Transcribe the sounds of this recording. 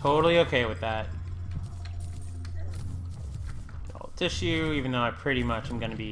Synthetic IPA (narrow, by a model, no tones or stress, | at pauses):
tʰoʊɾl̩ˠioʊkʰeɪwɨðæt̚ | o̰ʊlˠtʰɪʃʉivɨ̃n̩ðoʊaɪpʰɹ̥ɪɾimʌt͡ʃãɪ̃mɡʌnɨbi